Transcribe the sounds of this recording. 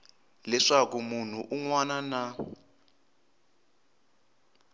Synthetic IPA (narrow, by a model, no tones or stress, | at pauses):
lɛʂakumun̤uʔuŋwanana